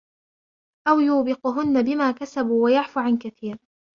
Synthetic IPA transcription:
ʔawjuːbɪqʊɦʊnːabɪmaːkasabuːwajaʕfuʕankaθiːɾ

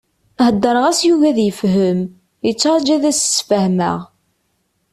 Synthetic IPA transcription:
həd̪ːəɾˤəʁæsjuʝæðjəfɦəm | jət͡sːaɾˤd͡ʒæðæssfəhmə̰ʁ

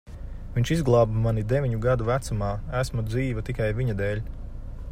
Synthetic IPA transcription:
viɲʲʃizɡlˠɑːbmanid̪evʲiɲuɡad̪uvæt̪sumaːæsmud̪ziːvɐt̪ikajvʲiɲad̪ɛːlʲ

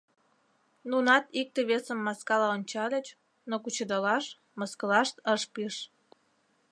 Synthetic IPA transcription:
nunɑt̪ik̚t̪eβesəmːɑskɑlɑonʲt͡ɕɑlʲət͡ɕ | nokut͡ɕəd̪əlɑʃ | məskəlɑʃt̪əʃpiʃ

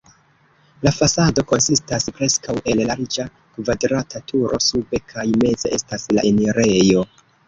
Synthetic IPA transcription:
lafasado̞ko̞nsistaspɾe̞skawʔe̞llaɾid͡ʒa | kvadɾatatuɾʔo̞̰sube̞kʰajme̞ze̞̰ʔe̞stasla̰ʔeniɾe̞jo̞

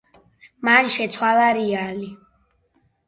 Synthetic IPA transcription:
manʃɛt̪sʰwalaɾiali

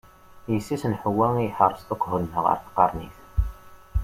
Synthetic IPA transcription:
jəsːisənħəwːæŋijħərˤːst̪okʷːhʊlnːəʁə̰ɾθqːɑɾˤnḭθ

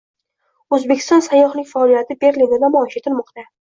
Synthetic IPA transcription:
ɵzbekʲʰɪ̥st̪ɒnsajːɒχhnɪkʲfaɒlijat̪ʰɪbe̞ɾlinɪd̪amɒɒʃet̪ʰɪlmɒqt̪a

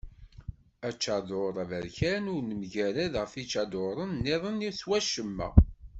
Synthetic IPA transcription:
æt͡ʃːɑðoɾˤævæɾçænʊɾnəmʝæɾæðʁəfit͡ʃːɑd̪oɾˤənːɪðˤəniswæʃəmːæ̰

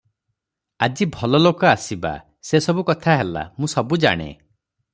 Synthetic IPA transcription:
ad͡ʒibʱɔlɔlokɔasiba̰ | sesɔbukɔt̪ʰaɦela̰mũsɔbud͡ʒa̰ɽ̃ḛ

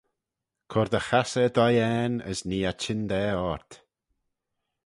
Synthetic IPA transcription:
kʰɔɾd̪əxasəd̪ɔjɛːnə̰sniːat͡ʃɪnd̪ɛːɔɹt̪

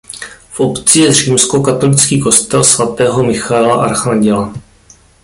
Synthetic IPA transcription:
fʔo̞pt͡sɪjɛr̝iːmsko̞kat̪o̞lɪt͡skiːko̞st̪ɛlsvat̪ɛːɦo̞mɪxaɛlaʔaɾxaɲɟɛla

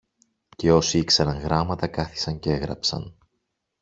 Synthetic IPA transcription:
ce̞o̞siiksɐɾɐŋɣɾɐmɐt̪ɐkɐθi̥sɐɲcee̞ɣɾɐ̰psɐ̰n

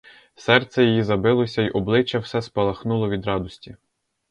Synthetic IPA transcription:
sɛrt̪sɛjijizɐbɪlˠɔsʲɐiʔɔblˠɪt͡ʃɛwsɛspɐlˠɐxnulˠɔʋʲid̪ɾɑd̪ɔsʲtʲi

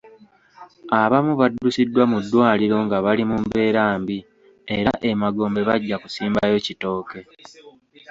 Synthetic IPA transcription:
aβamuβadːusidːwamudːwaːliɾo̞ŋɡaβalimumbe̞ːɾaːmbi | e̞ɾaʔe̞maɡo̞ːmbe̞βaɟːaku̥siːmbajo̞cito̞ːke̞

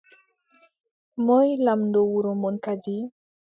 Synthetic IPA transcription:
mɔjlamndɔwuɾomɔnkad͡ʒi

